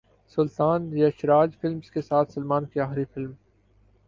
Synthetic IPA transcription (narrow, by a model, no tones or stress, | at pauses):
sʊlt̪aːnjɐʃɾaːd͡ʒfɪlmskesaːt̪ʰsɐlmaːnkiaːxɾifɪlm